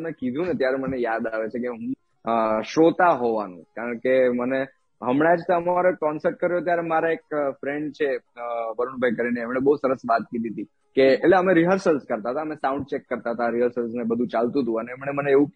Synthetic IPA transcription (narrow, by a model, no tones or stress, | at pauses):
nekid̪ʱũnet̪jaɾɛmənejad̪aʋet͡ʃʰekeɦũ | ʃot̪aɦoʋanṵ̃kaɾəɳkeməne | ɦəmɳẽad͡ʒt̪oəmaɾoekɔnsəɾʈ̚kəɾjot̪jaɾemaɾaek̚fɾeɳɖt͡ʃʰebʱəɾunbʱajkəɾineːmɽ̃ebəɦusəɾəsʋat̪̚kid̪ʱit̪i | keetleəmeɾiɦəɾsəlskəɾt̪aɦət̪aəmesaũɳɖt͡ʃekːəɾt̪aɦət̪aɾiɦəɾsəlsnebəd̪ʱũt͡ʃalt̪ũt̪ũəneːmneməneːʋũ